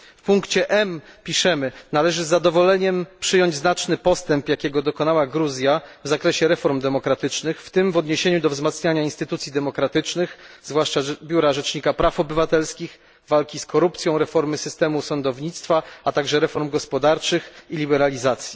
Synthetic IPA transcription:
fpuŋkt͡ɕɛʔɛmpʲiʂɛmɘnalɛʐɘzːad̪ɔvɔlɛɲɛmpʂɘjɔɲd͡ʑznat͡ʂnɘpɔst̪ɛmpjakʲɛɡɔd̪ɔkɔnawaɡɾuzʲjavzakɾɛɕɛɾɛfɔɾmd̪ɛmɔkɾat̪ɘt͡ʂnɘxft̪ɘmvɔd̪ɲeɕeɲud̪ɔvzmat̪sɲaɲainst̪ɘt̪ut̪sʲjid̪ɛmɔkɾat̪ɘt͡ʂnɘxzvwaʂt͡ʂabʲjuɾaʐɛt͡ʂɲikapɾafɔbɘvat̪ɛlskʲix | valkʲiskʰɔɾupt̪sʲjɔ̃w̃ɾɛfɔɾmɘsɘst̪ɛmusɔnd̪ɔvɲit̪st̪faat̪aɡʐɛɾɛfɔɾmɡɔspɔd̪aɾt͡ʂɘxilʲibɛɾalʲizat̪sʲji

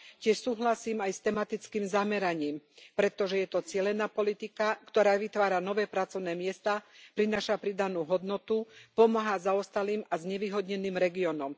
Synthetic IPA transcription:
cɪɛʃsuːɦlasiːmajst̪ɛmat̪it͡skiːmzamɛɾaɲiːmpɾɛt̪ɔʒɛjɛt̪ɔt͡sɪɛlɛnaːpɔlit̪ikakt̪ɔɾaːʋit̪ʋaːɾanɔʋɛːpɾat͡sɔʊnɛːmɪɛst̪apɾinaːʃapɾid̪anuːɦɔd̪nɔt̪upɔmaɦazaɔst̪aliːmazɲɛʋiːɦɔd̪ɲɛniːmɾɛɡiɔnɔm

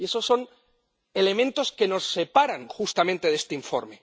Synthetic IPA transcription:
e̞so̞sːo̞n | ele̞mẽnt̪o̞ske̞no̞sːe̞paɾaŋxust̪amẽnt̪e̞ðe̞st̪eiɱfo̞̰ɾme̞

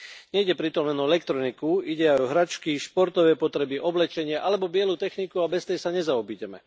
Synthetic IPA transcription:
ɲɛiɟɛpɾit̪ɔmlɛnɔɛlɛkt̪ɾɔnikuiɟɛajɔɦɾat͡ʃkiʃpɔɾt̪ɔʋɛːpɔt̪ɾɛbiʔɔblɛt͡ʃɛɲɪɛʔalɛbɔbɪɛluːt̪ɛxnikuabɛst̪ɛjsaɲɛzaɔbiɟɛmɛ̰

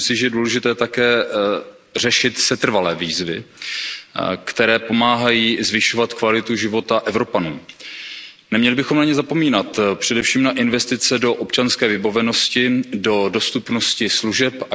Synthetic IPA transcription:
msɪʒɛɛduːlɛʒɪt̪ɛːt̪akɛː | r̝ɛʃɪt̪sɛt̪r̩valɛːviːzvɪ | kt̪ɛɾɛːpo̞maːɦajiːzvɪʃo̞vat̪kvalɪt̪uʒɪvo̞t̪aʔɛvɾo̞panuː | nɛmɲɛlɪbɪxomnaɲɛzapo̞miːnat̪pr̝̥ɛdɛfʃiːmnaʔɪnvɛst̪ɪt͡sɛdo̞ʔopt͡ʃanskɛːvɪbavɛno̞scɪdo̞do̞st̪upno̞scɪsluʒɛpa

